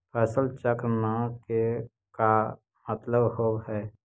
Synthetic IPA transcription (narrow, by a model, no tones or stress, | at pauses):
pʰɛːsəlt͡ʃəkɾənake | ka | mət̪ləbhoːbɦɛː